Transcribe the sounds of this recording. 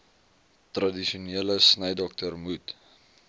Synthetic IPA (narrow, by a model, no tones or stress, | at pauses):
trɐdiʃiuniələsnəjdɔk̚tərmut